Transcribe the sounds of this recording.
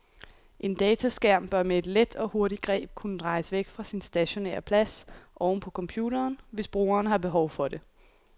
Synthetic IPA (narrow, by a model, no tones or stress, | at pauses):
ʔe̝nd̥ɛːt͡sʰæsɡ̥æɐ̰mb̥ɶɐmee̝d̥led̥ɒ̽ho̝ɐɾiɡ̥ʁɛ̰ːb̥̚kʰunəd̥ʁɑ̈ɪsʋeɡ̥fʁɑ̈sinsd̥æɕo̝nḛɐpʰlæsʔɒʊn̩pʰɒ̽kʰɒ̽mpʰjuːɾɐːnʋe̝sb̥ʁṵːɐːnɦɑ̈b̥e̝ɦɒʊfɒ̽de̝